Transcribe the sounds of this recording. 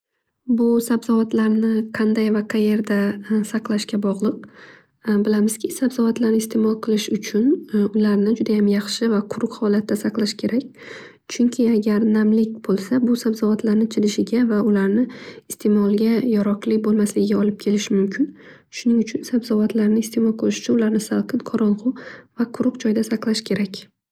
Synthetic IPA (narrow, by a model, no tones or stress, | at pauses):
bʊsabzɒvat̪laɾnɪqʰɑnd̪ajvaqʰaje̞ɾd̪asɑqlˠaʃkʲabɒʁlˠɨq̚ | bɪlamɪzkʲʰɪsabz̥ɒvat̪laɾnɪɪst̪ʰe̞mɒlˠqʰɨlˠɪʃʊt͡ʃʰʊnʊlaɾnɪd͡ʒʊd̪ajamjɑχʃɪvaqʰʊɾʊqhɒlat̪ːasɑqlˠaʃkʲʰe̞ɾakʲ | t͡ʃʰʊŋkʲʰɪaɡʲaɾnamlɪkʲbolˠsabʊsabzɒvat̪ʰlaɾnɪt͡ʃʰɪlɪʃɪɡʲavaʊlaɾnɪɪst̪ʰe̞mɒlˠɡʲajɒɾɒqlɪk̚ʲbolˠmaslɪɡʲɪɡʲaɒlˠɪp̚kʲʰe̞lɪʃɪmʊmkʲʰɪn | ʃʊnɪŋʊt͡ʃʰʊnsabzɒvat̪ʰlaɾnɪst̪ʰe̞mɒlˠqʰɨlˠɪʃʊ̥t͡ʃʰʊnʊlaɾnɪsalˠqʰɨnqʰɒɾɒnqʊvaqʰʊɾʊqd͡ʒɒjd̪asaqlˠaʃkʲʰe̞ɾakʲ